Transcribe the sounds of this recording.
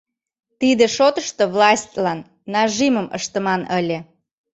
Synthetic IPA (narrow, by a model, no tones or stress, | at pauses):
t̪id̪eʃot̪əʃt̪oβlɑsʲtʲlɑnː | ɑʒiməmə̰ʃt̪əmɑnəlʲĕ